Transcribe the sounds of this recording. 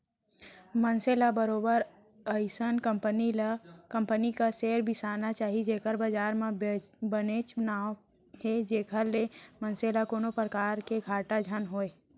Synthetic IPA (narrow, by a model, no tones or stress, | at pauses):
mənselabəɾoːbəɾ | əɪsənkəmpənilkə̃mpənikaseːɾbʱisaːnat͡ʃaːɦid͡ʒeːkəɾbəd͡ʒaːɾmẽbənet͡ʃbnaːw | ɦed͡ʒeːkʰəɾlemənselakoːnopɾəkaːɾkeɡʱaːʈad͡ʒʱənɦoːe